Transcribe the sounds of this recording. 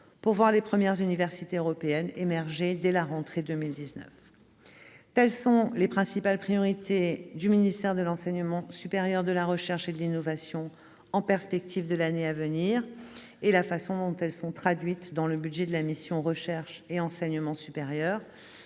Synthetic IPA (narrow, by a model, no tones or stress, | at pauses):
puʁvwaʁlepχəmjɛʁzynivɛʁsit̪eøʁɔpeɛnemɛʁʒed̪ɛlaʁɑ̃t̪χed̪ømild̪iznœ̰f | t̪ɛlsɔ̃lepχɛ̃sipalpχijɔʁit̪ʰed̪yminist̪ɛʁd̪əlɑ̃sɛɲəmɑ̃sypeʁjœʁd̪əlaʁəʃɛʁʃed̪əlinɔvasjɔ̃ | ɑ̃pɛʁspɛk̚t̪ʰivd̪əlaneavəniʁ | elafasɔ̃d̪ɔ̃t̪ɛlsɔ̃t̪χad̪ɥit̪d̪ɑ̃ləbyd̪ʒɛd̪əlamisjɔ̃ʁəʃɛʁʃeɑ̃sɛɲəmɑ̃sypeʁjœːʁ